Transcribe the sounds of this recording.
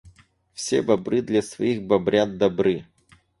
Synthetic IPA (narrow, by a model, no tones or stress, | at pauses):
fsʲebɐbɾɨd̪lʲɐsvɐiɣbɐbɾʲad̪̚d̪ɐbɾɨ